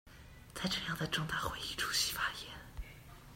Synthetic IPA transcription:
t͡sa˥˧ɪʈ͡ʂɤ˥˧jɑ˥˩ŋd̪ə˩ʈ͡ʂʊ˥˧ŋt̪a˥˩xwe˧˥i˥˩ʈ͡ʂʰu̥˥ɕi̥˥fa˥jɛ˧˥n

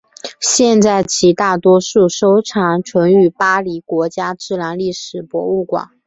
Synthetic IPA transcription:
ɕjɛ˥˧nt͡sa˥˩ɪt͡ɕʰi˧˥t̪a˥˩t̪wɔ˥ʂu˥˩ʂo˥ʊʈ͡ʂʰɑ˧˥ŋʈ͡ʂʰwə˧˥ŋy˨˩pa˥li˧˥kwɔ˧˥t͡ɕja˥ʈ͡ʂɻ̩˥˩la˧˥nli˥˩ʂɻ̩˨˩pwɔ̰˧˥u˥˩kwa̰˨˩˦ŋ

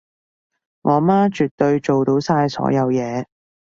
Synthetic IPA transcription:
ŋɔː˨˧maː˥t͡ʃy˨t̪̚ːɵ˧ɥt͡ʃo˨wt̪o˨˥wsaː˧jsɔ̰ː˨˥jɐ˨˧wjɛː˨˧

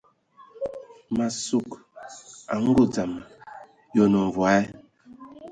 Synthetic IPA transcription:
ma˨su˦˨k | a̰˨ŋ̩˦ɡo˦d͡za˨ma˨ | jɔ˨nɔ˨ɱ˨vwa˨˦ɛ˦

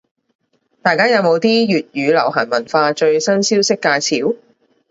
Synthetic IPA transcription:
t̪aː˨˧jkaː˥jɐ˨˧wmo˨˧wt̪iː˥jyː˨t̚jyː˨˧lɐ̰˨˩wɦɐː˨˩nmɐ˨˩nfaː˧t͡ʃɵ˧ɥsɐ˥nsiː˥wsɪ˥kːaː˧jt͡sʰiː˨˥w

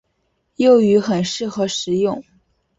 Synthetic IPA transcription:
jo˥˩ʊy˧˥xə˨˩nʂɻ̩˥˩xɤ˧˥ʂɻ̩˧˥jʊ˥˩ŋ

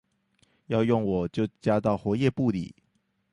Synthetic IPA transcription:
jɑ˥˧ʊjʊ˥˩ŋwɔ˨˩t͡ɕjo˥˩ʊt͡ɕja˥t̪ɑ˥˩ʊxwɔ˧˥jɛ˥˧pu˥˩lḭ˨˩˦

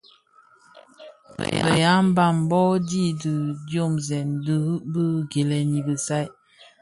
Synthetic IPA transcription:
bə˨ja˦m̩˦ba˦˨m˨bɔ˦di˦dɨ˨djo˦˨mzɛ˨ndə˦hə˦ʔbə˦ɡe˨lɛ˨ni˨bə˨sa˦j

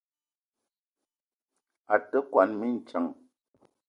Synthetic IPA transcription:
a˨tə˦kwa˨nmi˦n̩˨t͡ʃa˨ŋ

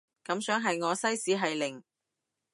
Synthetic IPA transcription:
kɐ˨˥msœː˨˥ŋɦɐ˨jŋɔː˨˧sɐ˥jsiː˨˥ɦɐ˨jlɪ˨˩ŋ

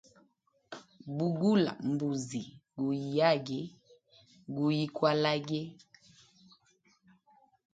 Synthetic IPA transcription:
bu˨ɡu˦la̰˨m˨bu˨zi˨ɡu˨i˨ja˦ɡɛ˨ | ɡu˨ji˦kwa˦la˦ɡɛ˦

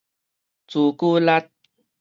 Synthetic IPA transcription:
t͡su˨˩ku˦la˦t̪̚

